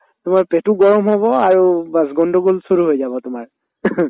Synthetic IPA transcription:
tʊmaɹpetuɡɔɹɔmɦɔbɔaɹubas̬ɡɔndɔɡolsoɹuɦojzabɔtʊmaɹ

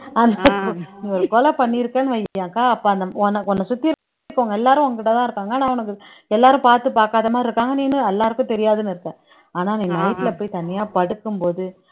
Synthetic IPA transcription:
ɐnakːʊ̃nĩːɔɾɯkɔlɐpɐɳːiɪɾɯkːɐːnɯʋɐjjãːkaːɐpːoːɐnd̪ɐɔnːɐɔnːɐsʊt̪ːɪɾ | kːɔŋɡɐɛlːaːɾʊ̃ɔŋɡɐkːɪʈːɐt̪ãːɪɾɯkːaːŋɡɐːnãːɔnɐkːɯ | ɛlːaːɾʊ̃paːɾt̪ɯpaːɾkaːðɐmaːdɪɾɯkːaːŋɡɐniːnːɯɛlːaːɾɯkːʊ̃t̪ɛɾɪjaːðɯnɪɾɯkːɛ̃ː | aːnaːniːnɐɪt̪ːɪlɐpːoːjt̪ɐnːɪjaːpɐɽɯkːɯmpoːðɯ

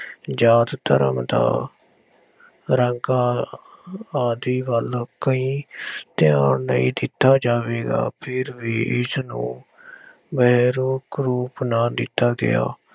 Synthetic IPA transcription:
d͡ʒaːt̪t̪ə̰ɾə̰md̪a̰ː | ɾəŋɡaː | aːd̪iːʋəlkəĩːt̪ɪjaːnnəĩːd̪ɪt̪ːaːd͡ʒaːʋeːɡa̰ːpʰɪɾʋiːʔɪsnṵ̃ː | bəːɾoːkɾuːpnaːd̪ɪt̪ːaːɡɪ̰a̰ː

